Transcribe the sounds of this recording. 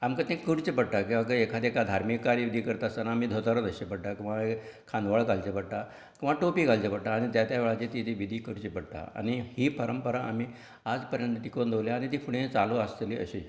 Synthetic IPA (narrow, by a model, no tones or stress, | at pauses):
amkat̪ĩkuɽt͡ɕipəɽʈ̪akĩw̃ʋak̬əekʰat̪ekad̪ʱaɾmikːaɾiʋid̪ʱiːkəɾt̪asanaːmiːd̪ʱot̪aɾət̪əɕepəɽʈ̪akĩw̃ʋaekʰãnd̪ʋaɭkalt͡ɕepəɽt̪a | kĩw̃ʋaʈopiːkalt͡ɕepəɽʈ̪aːɽ̃it̪jat̪jaʋeɭat͡ɕet̪it̪iʋid̪ʱiːkuɽt͡ɕipəɽt̪a̰a̰ñihiːpəɾəmpəɾaʔam̤iː | ad͡zpəɾjənt̪ət̪ikond̪oʋljaːñit̪iːfʰuɽẽt͡saluast̪liʔə̰ɕiː